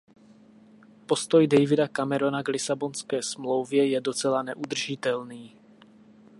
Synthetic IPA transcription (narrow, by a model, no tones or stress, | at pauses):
po̞st̪o̞jdɛjvɪdakamɛɾonaɡlɪsabo̞nskɛːsmlowvjɛjɛdo̞t͡sɛlanɛʔud̪r̩ʒɪt̪ɛlniː